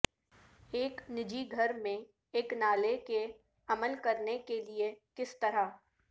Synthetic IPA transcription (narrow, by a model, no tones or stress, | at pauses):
eːknɪd͡ʒiɡʱɐɾmẽ | eːknaːleke | ɐməlkɐɾnekeliekɪst̪ɐɾa